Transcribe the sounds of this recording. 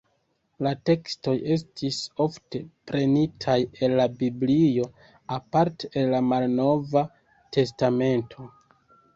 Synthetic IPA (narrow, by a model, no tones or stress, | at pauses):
late̞ksto̞je̞s̬tʰiso̞fte̞pɾe̞nitʰaje̞lːabiblijo̞ | apaɾteelːamalno̞va | tʰe̞stame̞ntʰo̞